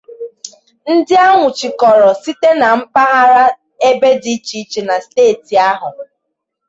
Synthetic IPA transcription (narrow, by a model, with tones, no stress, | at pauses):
n̩˦dɪ˦a˦ŋʷʊ˨t͡ʃi˨kɔ˨ɾɔ˨si˦te˦na˨m̩˦pa˦ɦa˦ɾa˦ | e˦be˦di˦t͡ʃi˨˦t͡ʃi˨na˨steː˦˨ti˨a˦ɦʊ˨